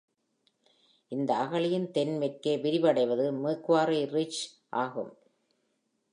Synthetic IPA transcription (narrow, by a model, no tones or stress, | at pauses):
ʔɪnd̪ɐːɣɐɭɪjɪnt̪ɛnmɪrkeːʋɪɾɪʋɐɽɐɪʋɐðɯmɯːkːʋaːɾiɾɪt͡ʃ | ʔaːɣɯ̰m